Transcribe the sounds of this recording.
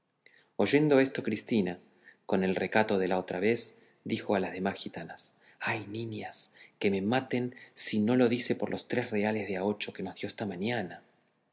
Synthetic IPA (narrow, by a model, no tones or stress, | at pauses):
o̞ʒe̞nd̪o̞est̪o̞kɾist̪ina | ko̞ne̞lre̞kat̪o̞ð̞e̞laot̪ɾaβe̞z | d̪ixo̞alazðe̞masxit̪anas | ajniɲaske̞me̞mat̪e̞nsino̞lo̞ðise̞po̞ɾlʔo̞st̪ɾesreale̞zðeao̞t͡ʃo̞ke̞nozðjo̞est̪amaɲjana